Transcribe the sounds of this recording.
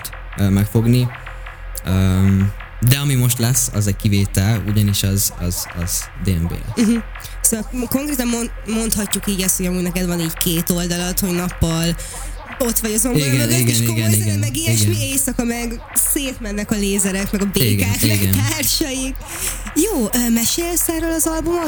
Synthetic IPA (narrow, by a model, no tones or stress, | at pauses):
t̪ː | mɛkfo̞ɡni | øm | d̪ɛɒmimo̞ʃt̪lɛsːɒ̰zɛc̚kiveːt̪ɛluɟɒniʃɒzɒ̰zɒ̰z̥d̪eːɛmbḛːlɛ̰ɦ̩ | soɛko̞ŋkɾeːt̪ɒmo | mo̞nt̪hɒcːukiːɟɛst̪ho̞ɟɒmuːɟnɛkɛd̪vɒniːɟkʰeːt̪o̞ld̪ɒlɒt̪hoɟnɒpːɒl | o̞t̪ʋɒɟɒzomiɡɛoiɡeɛnʃoiɡɛniɡɛmɛɡiːiʃmieːsɒkɒmɛɡ | seːt̪mɛnːɛkɒleːzɛɾɛkmɛɡɒbeiːɡaːkmɛiɡɛnaːrʃɒjik | joːøːmɛʃeːlsaːɾolɒzɒlbumɒ